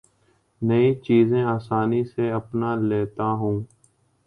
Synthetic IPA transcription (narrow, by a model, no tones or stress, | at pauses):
nəiːt͡ʃiːzẽːaːsaːniːseːəpnaːleːt̪aːɦũː